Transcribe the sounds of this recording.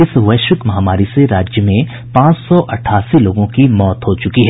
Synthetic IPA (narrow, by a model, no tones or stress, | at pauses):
ɪsʋɐjʃɪkmɐɦaːmaːɾiseɾaːd͡ʒjəmẽ | pãːt͡ʃsɔʔɐʈʰaːsiloːɡõkimɔːt̪ɦot͡ʃʊkiɦɛ